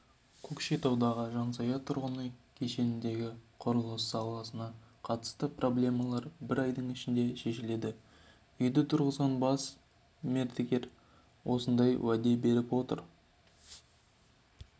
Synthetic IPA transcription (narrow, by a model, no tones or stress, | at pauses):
kʰokʃijt̪ɑwd̪ɑʁəʒɑnsɑjɑt̪ʰʊɾʁənəkʲʰe̞ʃe̞nɪnd̪e̞ɡʲɪqʰoɾəlˠəssɑlˠɑsənɑqʰɑt̪ə̥st̪əprʔo̞blʲe̞mɑlˠɑɾbɪɾɑjd̪əɴɪʃɪnd̪e̞ʃe̞ʃɪle̞d̪ɪ | ʏjd̪ət̪ʰʊɾʁəzʁɑnbɑs | me̞ɾt̪ʰekʲe̞ɾ | wʔo̞sənd̪ɑjwæd̪e̞be̞ɾɪpwo̞t̪ə̰ɾ